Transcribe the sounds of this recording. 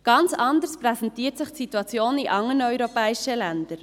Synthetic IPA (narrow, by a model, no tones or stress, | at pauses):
ɡ̥ɑnt͡sɑndəspɾɛsɛntiːtsɪχtsituɑt͡sjoːniʔɑŋːənœʏɾopɛːiʃəlænd̥̪əɾ